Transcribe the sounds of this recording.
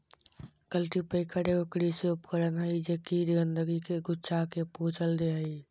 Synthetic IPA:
kəlʈipəɪkʰəɾeokɾisoːpkəɾənɦəid͡ʒeːkiɾɡənd̪əɡikeɡʊt͡ʃʰakepoɦt͡ʃəld̪eɦəi

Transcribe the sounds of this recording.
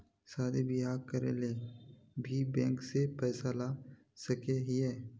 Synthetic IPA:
saːd̪ebɪɦaːɾkɐɾḛle | bʱibɛ̃ːŋksepɛːsala | sɐkeɦiɛː

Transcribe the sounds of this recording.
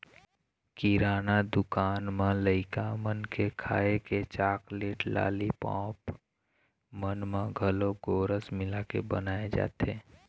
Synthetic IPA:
kiɾaːnad̪ʊkaːnmãləɪkamənkekʰaːeket͡ʃaːkleːʈla̰ːlipɔ̰̃ːp | mənmãɡʱəloɡoːɾəsmɪlakḛbənaːed͡ʒa̰ːt̪eː

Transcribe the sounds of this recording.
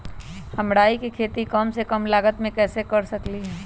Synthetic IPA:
hɐmɽaːikikʰeːt̪ikɔːmsekɐmlaːɡət̪mẽkɛːsekɐɾsɐkliɦɛː

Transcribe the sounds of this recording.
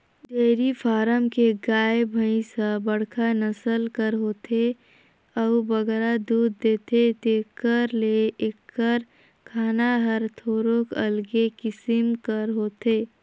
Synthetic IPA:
d̪eːɾipʰaːɾəmkeɡaːebʱəĩsəbəɽ̤kʰanəsəlkəɾɦoːt̪ʰe | əubəɡɾad̪uːd̪ːeːt̪et̪ekəɾleekːəɾ | kʰaːnaɦəɾt̪ʰoːɾokə̰lɡekɪsɪmkəɾɦoːt̪eː

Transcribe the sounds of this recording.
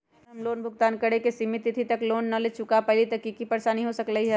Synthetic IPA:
ɦɐmloːnbʱʊɡ̚t̪aːnkəɽekesimɪt̪ɪt̪ʰit̪ɐkloːnːɐlet͡ʃʊkapɐɦlit̪ɐkikipɐɾsanəɦĩɦosəkləɦiɦɛ

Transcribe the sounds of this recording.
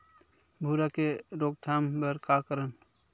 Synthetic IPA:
bʱuːɾakeɾoːɡ̚t̪ʰaːmbəɾkakəɾən

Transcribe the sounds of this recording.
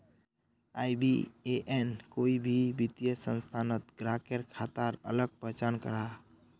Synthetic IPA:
ajbḭeʔenkoibʱibit̪jəsə̃nst̪ʰanət̪̚ɡɾakeɾkʰat̪aɾə̰ləɡ̚pət͡ʃankə̰ɾa

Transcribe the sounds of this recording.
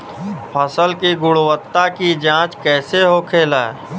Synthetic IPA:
pʰəsəlkiɡʊɽwət̪ːakid͡ʒãːt͡ʃkɛːseɦokʰeːla̰ː

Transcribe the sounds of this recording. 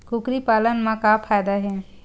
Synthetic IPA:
kʊkɾipaːlənmãkapʰaːjd̪aɦɛː

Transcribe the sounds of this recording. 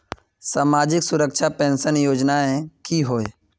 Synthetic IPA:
saːmaːd͡ʒɪksʊɾəkʃʰapɛ̃ːnsənjoːd͡ʒnaɛ̃kiɦoːeː

